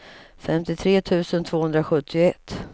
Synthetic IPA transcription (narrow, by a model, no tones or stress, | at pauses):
fɛmt̪ɪt̪ʰɾeːt̪ʰʉ̟ːsənt̪ʰv̥oːhɵnd̪ɾaɧɵt̪ʰːɪʊɛt̪ː